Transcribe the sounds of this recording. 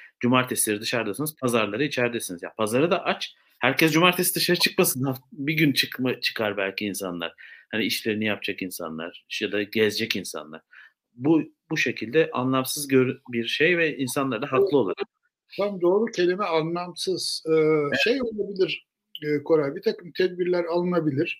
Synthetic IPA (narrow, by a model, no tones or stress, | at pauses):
d͡ʒumaɾt̪ʰɛslʲeɾid̪ɯʃaɾd̪asanɯz̥pʰazaɾlˠaɾɯit͡ʃʰæɾd̪ɛsinizja̰pʰazaɾɯd̪aʔat͡ʃ | hæɾcʰɛsd͡ʒumaɾt̪ʰɛsid̪ɯʃaɾɯt͡ʃʰɯ̥kmasɯnabiɟynt͡ʃʰɯkmat͡ʃʰɯ̥kʰaɾbælʲcʰiːnsanlˠa̰ɾ̥haniiʃlʲe̞ɾinijap̚d͡ʒʰakinsa̰nlˠa̰ɾ̥jad̪aɟɛzd͡ʒɛcinsa̰nlˠa̰ɾ̥ | bu | buʃe̞cʰilʲd̪ɛʔa̰nlˠamsɯzɟøɾbiɾʃejvɛinsanlˠaɾd̪aɦaklˠɯo̞lˠa | t̪ʰamd̪o̞ːɾucʰe̞lʲimɛanlˠamsɯz̥ɯʃejo̞lˠabilʲiɾ | kʰo̞ɾajbit̪ʰakɯmt̪ʰɛd̪̚biɾlʲæɾalˠɯnabilʲiɾ̥